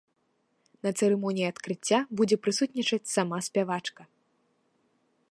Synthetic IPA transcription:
nɐt̪sɛɾɛmɔnʲijiɐt̪kɾɨt͡sʲːabud͡zʲɛpɾɨsut̪nʲit͡ʂɐt͡sʲsamasʲpʲavat͡ʂkɐ

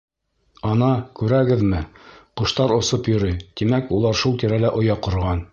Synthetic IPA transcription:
ɑnɑkʉɾæɡɘðmɘqŏʃt̪ɑɾŏsɤpjŏɾɤjt̪imækulˠɑɾʃulˠt̪iɾælæʔŏjɑqŏɾʁɑn

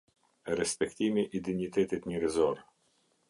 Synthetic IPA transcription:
ɾɛspɛkt̪imiʔid̪init̪ɛt̪it̪ɲəɾɛzɔɾ

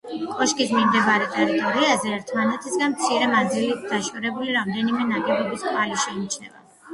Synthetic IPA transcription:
kʼɔʃkʼismimd̪ɛbaɾɛt̪ʼɛɾit̪ʼɔɾiazɛːɾt̪ʰmanɛt̪ʰisɡanmt̪sʰiɾɛmad̪zilit̪̚ʰd̪̥aʃɔɾɛbuliɾamd̪ɛnimɛnaɡɛbɔbiskʰʼvaliʃɛimt͡ʃʰɛ̰va̰

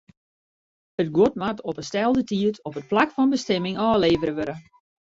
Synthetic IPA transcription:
ətɡwotmatɔpəstɛlˠdətiətʰɔpət̚plakfɔnbəstɛmɪŋʔɔːleːvəɾəʋøɾə

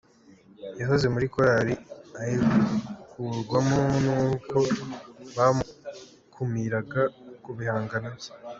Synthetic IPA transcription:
jaɦoze̞muɾikoɾaɾiahiukʰuɾɡwamonuːkʰo̞βamu | kʰumiɾaɡakuβihaːŋɡana

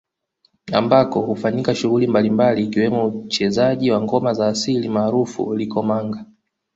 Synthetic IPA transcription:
a̰mbakɔhufaɲikaʃuɣulimbalimbaliːkiwɛmɔut͡ʃɛzaʄiwaŋɡɔmazaːsilimaːɾufṵlikɔmaŋɡa

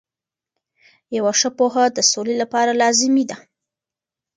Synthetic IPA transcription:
jawaʂəpoɦad̪əsolelapɑɾalɑzɪmid̪a

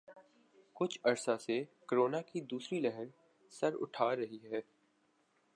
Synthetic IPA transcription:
kʊt͡ʃʰɐɾsasekəɾoːnakid̪uːsɾilɛɦəɾ | sɐɾʊ̰ʈʰaːɾɐɦiɦɛː

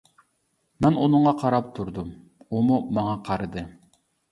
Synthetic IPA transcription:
mɛnunʊɴʁɑqʰɑɾɑp̚t̪ʰuɾd̪um | umumɑŋɑqʰɑɾɨd̪ɨ

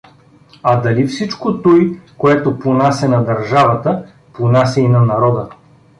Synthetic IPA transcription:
ɐd̪ɐlifsit͡ʃkot̪ojkoɛt̪oponasʲɛnɐd̪ɐɾʒavɐt̪ə | ponasʲɛinɐnɐɾɔd̪ə

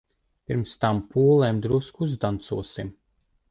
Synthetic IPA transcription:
pʲiɾmst̪ampuɔlˠɛːmd̪ɾuskuzd̪ant̪suɔsim

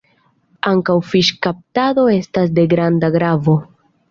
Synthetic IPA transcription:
aŋkawfiʃkap̚tado̞e̞stas̬de̞ɡɾandaɡɾavo̞

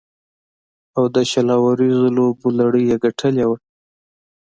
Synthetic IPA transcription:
awd̪əʃalɑwaɾizolobulaɽəjeɡaʈʰəljawə

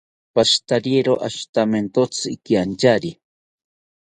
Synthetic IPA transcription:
paʃt̪aɾieɾoʔaʃt̪ament̪ot͡sɨikiant͡ʃaɾi

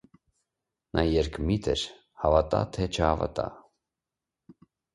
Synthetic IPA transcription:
nʔɑjɛɾkʰmit̪ʰɛɾ | hɑvɑt̪ɑ̰t̪ʰɛt͡ʃʰəhɑvɑ̰t̪ɑ

